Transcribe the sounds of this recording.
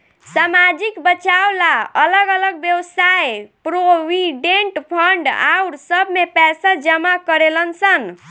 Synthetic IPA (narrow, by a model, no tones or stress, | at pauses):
samad͡ʒikbət͡ʃawlaələɡələɡ̚bjəwsajpɾowiɖeɳʈpʰəɳɖa̰uɾsəbʱmepɛsad͡ʒəmakəɾelənsən